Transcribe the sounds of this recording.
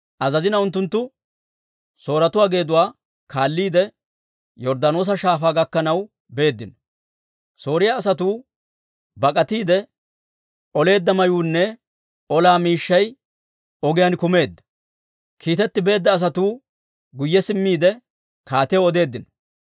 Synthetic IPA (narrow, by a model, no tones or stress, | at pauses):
ʔɐzɐzɪnɐʊnt̪̬ːʊnt̪ːʊ | so̞ːɾɐt̪ʊwaːɡe̞ːd̪ʊwaː | kʰaːlːiːd̪ɛ | jɔɾd̪ɐno̞ːs̬ɐʃaːfaːɡɐkːɐnɐw | be̞ːd̪ːɪnɔ | so̞ːɾɪjaːs̬ɐt̪uː | bɐkʼɐt̪iːd̪ɛ | ɔle̞ːd̪ːɐmɐjuːnːɛ | ɔlaːmiːʃːɐj | ɔɡɪjankʊme̞ːd̪ːɐ̥ | kʰiːt̪ɛt̪ːɪbe̞ːd̪ːɐːs̬ɐt̪uː | ɡʊjːɛsɪmːiːd̪ɛ | kaːt̪ɪjɔd̪e̞ːd̪ːɪnɔ̥